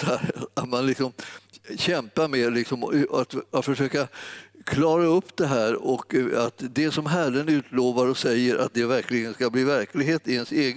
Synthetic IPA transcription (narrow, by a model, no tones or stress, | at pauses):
at̪manlɪksɔmɕɛmpamɛlɪksɔmat̪t̪fœʂøːkakʰlɑːɾaɵpːd̪ɛɦæːɾɔkat̪d̪ɛsɔmɦærənʉ̟ːt̪loːvaɾɔsɛjːəɾʔa̰t̪̚d̪ɛvæɾklɪɡənskabliːvæɾklɪɡɦeːt̪ɪɛnseːɡ